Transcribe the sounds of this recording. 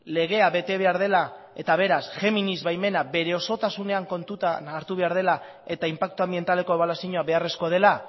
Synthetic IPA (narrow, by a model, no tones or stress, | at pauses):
le̞ɣ̞e̞aβe̞t̪e̞βe̞aɾð̞e̞la | e̞t̪aβ̞e̞ɾasfe̞minizβajme̞nabe̞ɾe̞o̞so̞t̪asune̞aŋko̞nt̪ut̪anːɾt̪uβe̞aɾð̞e̞la | e̞t̪aimpak̚t̪uambie̞nt̪ale̞ko̞eβalasiɲoaβe̞are̞sko̞ð̞e̞la